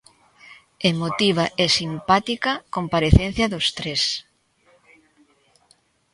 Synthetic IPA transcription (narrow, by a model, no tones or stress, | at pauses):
emot̪iβ̞aʔesimpat̪ikɐkompaɾeθen̟θjɐðost̪ɾes